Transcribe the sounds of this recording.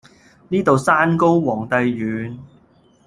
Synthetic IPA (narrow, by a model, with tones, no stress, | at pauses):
niː˥t̪o˨wsaː˥nko˥wwɔː˨˩ŋt̪ɐ˨˧jjyː˨˧n